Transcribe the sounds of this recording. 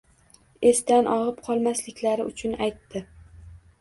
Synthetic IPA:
e̞st̪anʔɒʁɨp̚qʰɒlˠmaslɪkʲlaɾɪʊt͡ʃʰʊnajt̪ːɪ

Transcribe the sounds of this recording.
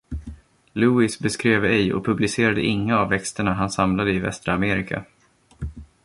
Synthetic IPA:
lʉːɪsbɛskɾeːvɛjɔ̰pʰɵblɪseːɾad̪əʔɪŋːaːvːɛkst̪əɳaɦansamlad̪əɪvɛ̰st̪ɾaameːɾɪkʰa̰

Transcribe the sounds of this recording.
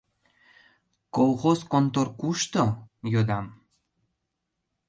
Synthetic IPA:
kolˠxoskont̪orkuʃt̪ojod̪ɑm

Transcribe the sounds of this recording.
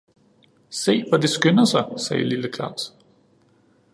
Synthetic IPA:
se̝̰ːʋɒd̥e̝sɡ̥ønɐsɑ̈ɪsɛːliləkʰɑ̈ʊ̰s

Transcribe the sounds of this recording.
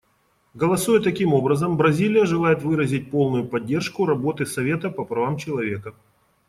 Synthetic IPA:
ɡəlˠɐsujɪt̪ːɐkʲimo̞bɾəzəmbɾɐzʲilʲɪjəʐɨlˠajɪt̪vɨɾəzʲɪt̚ʲpo̞lˠnʊjʊpɐdʲːe̞rʂkʊɾɐbo̞t̪ɨsɐvʲet̪əpɐpɾɐvamt͡ɕɪlˠɐvʲe̞kə

